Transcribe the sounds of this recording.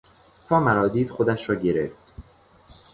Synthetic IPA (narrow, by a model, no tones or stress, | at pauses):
t̪ʰɒːmæɾɒːd̪iːd̪̥xod̪æʃɾɒːɟe̞ɾeft̪